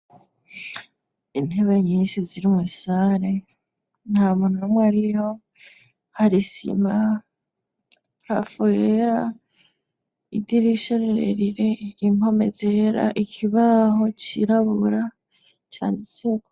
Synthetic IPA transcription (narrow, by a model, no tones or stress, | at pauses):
in̥he̞βeɲiːnʃiziɾimusaɾe̞ | n̥haːmunuomwaɾiho̞ | haɾisḭma | pɾa̰fueɾa | idiɾiʃoɾeɾḛɾiɾe̞imo̞me̞̰zeɾa̰ʔikʰiβaho̞t͡ʃiɾaβuɾa | t͡ʃa̰ːndiseko